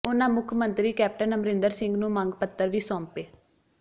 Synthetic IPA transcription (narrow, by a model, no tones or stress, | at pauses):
ʊnãːmʊkʰmənt̪ɾiːkɛːp̚ʈənəmɾɪ̃nd̪əɾsɪŋɡnũːmə̃ŋɡpət̪ːəɾʋiːsɔːmpeː